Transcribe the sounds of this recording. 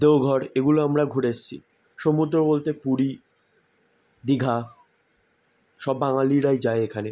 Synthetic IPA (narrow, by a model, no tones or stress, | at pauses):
d̪eoɡʱɔɾeɡuloamɾaɡʱuɾeʃt͡ɕʰḭ | ʃomud̪ɾobolt̪epuɾi | d̪iɡʱa | ʃɔbːaŋaliɾajd͡ʑaeekʰane